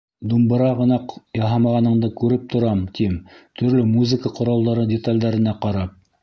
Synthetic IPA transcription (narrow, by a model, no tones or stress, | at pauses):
d̪umbɤ̆ɾɑʁɤ̆nɑqjɑɦɑmɑʁɑnɤ̆ɴd̪ɤkʉɾɘp̚t̪ŏɾɑmt̪imt̪ʰɵ̆ɾlɵmuzɘkəqŏɾɑlˠd̪ɑɾɤdʲɪt̪alʲd̪æɾɘ̆næqɑɾɑp̚